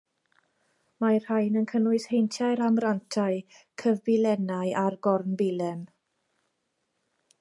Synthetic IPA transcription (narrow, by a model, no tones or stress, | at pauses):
mar̥hajnənkʰənʊɨshejntʰjaɨɾamrantʰaɨ | kʰəvbɪlɛnajʔarɡɔrnbɪlɛm